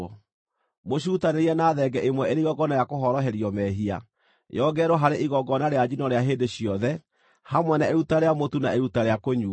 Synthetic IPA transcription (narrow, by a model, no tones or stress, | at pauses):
ɔ | moɕuːtaneɾiɛnaːðɛɡɛʔemwɛeɾeiɣɔɡɔnajakoɦɔɾɔɦɛɾiɔmɛɦia̰ | jɔɡɛɾoɦaɾeʔiɣɔɡɔnaɾead͡ʑinɔɾeaɦeːndeɕiɔðɛ | hamwɛnaeɾutaɾeamotunaeɾutaɾeakoɲu